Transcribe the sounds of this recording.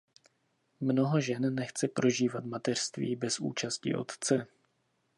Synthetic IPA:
mno̞ɦo̞ʒɛnːɛxt͡sɛpɾo̞ʒiːvat̪mat̪ɛr̥st̪vḭːbɛsʔṵːt͡ʃascḭʔo̞̰t̪t͡sɛ

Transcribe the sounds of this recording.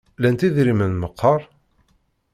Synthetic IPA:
lænt̪iðɾimənməqʰːɑɾˤ

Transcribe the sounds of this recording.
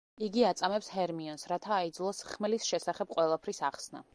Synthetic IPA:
iɡiat̪sʼamɛpshɛɾmiɔnsɾat̪ʰaːid̪zlˠɔsχmɛlisʃɛsaχɛb̥̚qʼwɛlˠapʰɾisaχsna̰

